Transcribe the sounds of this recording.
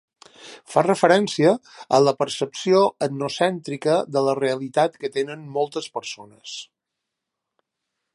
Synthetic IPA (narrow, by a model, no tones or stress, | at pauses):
farəfəɾɛnsiəələpəɾsəpsioədnusɛnt̪ɾikəðələreəlit̪at̪kət̪enənmɔlˠt̪əspəɾsonəs